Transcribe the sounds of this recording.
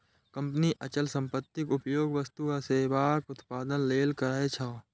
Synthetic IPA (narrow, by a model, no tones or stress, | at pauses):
kə̃mpniʔɐt͡ʃəlsə̃mpət̪ːɪkʊpjoːɡʋəst̪uaseːbaːkʊt̪paːd̪ənleːlkəɾaːet͡ʃʰaː